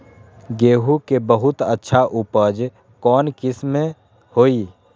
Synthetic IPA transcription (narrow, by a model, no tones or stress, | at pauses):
ɡeːɦukebəɦʊt̪ətːʃʰaʔupəd͡ʒ | kɔːnkɪsme | hoːi